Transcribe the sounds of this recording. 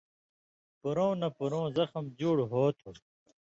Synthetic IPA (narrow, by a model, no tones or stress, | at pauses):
puɾõːnɐpuɾõːzɐxɐmd͡ʑuːɽɦoːt̪ʰu